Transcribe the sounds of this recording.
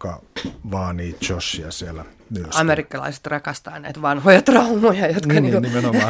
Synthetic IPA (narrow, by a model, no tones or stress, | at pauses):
kɑʋɑːniːt̪t͡ʃosːiɑsielæ | yøsɑmerikːɑlɑ̰ise̥t̪rɑkɑst̪ɑ̰ːnæit̪ʋɑnhojɑt̪rɑumojɑjot̪kɑniːkonimenoɑ